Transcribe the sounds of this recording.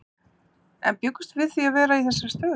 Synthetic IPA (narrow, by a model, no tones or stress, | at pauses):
ɛ̰npjʏkːʏ̥st̪vɪðθiavɛːɾaiθɛsːaɾ̥st̪œː